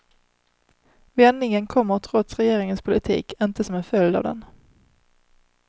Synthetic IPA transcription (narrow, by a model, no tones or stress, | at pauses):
vɛnːɪŋənkʰɔmːəɾt̪ʰɾɔt̪sɾɛjeːɾɪŋənspʰʊlɪt̪ʰḭːkʰɪnt̪əsɔmɛnfœljd̪ɑ̰vd̪ɛ̰n